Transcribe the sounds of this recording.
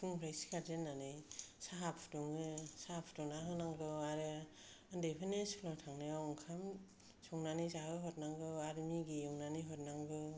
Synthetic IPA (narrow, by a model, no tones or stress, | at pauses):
uŋpʰɾajskʰaɾdenːanɯjsaɦapʰtɔŋɯsaapʰtɔŋnaɦɯnaŋɡɯaɾɯ | ndepʰinesʰlɔtʰaŋnɯjawɔŋkʰam | sɔŋnanisaɦɯɦɔt̚naŋɡɯaɾmiɡijɔŋnaniɦɔtnaŋɡɯ